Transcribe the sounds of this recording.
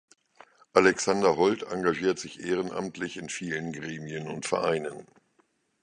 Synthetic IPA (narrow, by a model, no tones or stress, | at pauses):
ʔalɛksandɐɦɔlta̰ŋɡaʒiːɐtz̥ɪçʔeːʁ̞ənʔa̰mtʰlɪçɪnfiːlənɡʁeːmiənʊ̰ntfɛ̰ɐʔaɪnən